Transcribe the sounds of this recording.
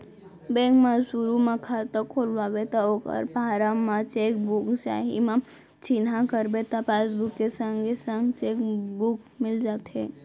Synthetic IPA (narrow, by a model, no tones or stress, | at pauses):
bɛ̃ːŋkmãsuɾumãkʰat̪əkʰoːlʋabet̪aoːkə̰ɾpaɾamːãt͡ʃeːkbʊkt͡ʃa̰ːɦḭmã | t͡ʃinɦakəɾbet̪apaːsbʊkːesə̃ŋɡesə̃ŋɡt͡ʃeːkbʊkmɪld͡ʒaːt̪ɦe